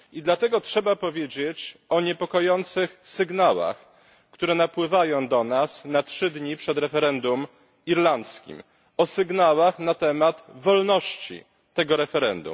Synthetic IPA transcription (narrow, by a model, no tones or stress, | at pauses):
id̪lat̪ɛɡɔtʂɛbapɔvʲjed͡ʑet͡ɕɔɲɛpɔkɔjɔnt̪sɘxsɘɡnawa̰x | kt̪uɾɛnapwɘvajɔ̃w̃d̪ɔnasnatʂɘd̪ɲipʂɛd̪ɾɛfɛɾɛnd̪um | iɾlant̪skʲḭm | ɔsɘɡnawaxnat̪ɛmat̪vɔlnɔɕt͡ɕḭ | t̪ɛɡɔɾɛfɛɾɛnd̪ṵm